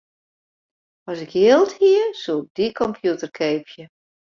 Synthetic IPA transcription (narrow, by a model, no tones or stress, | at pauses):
ɔsɪkʰjɪəlˠthiəsuɪk̚d̥ikʰɔmpʰjutərkʰeːpʰjə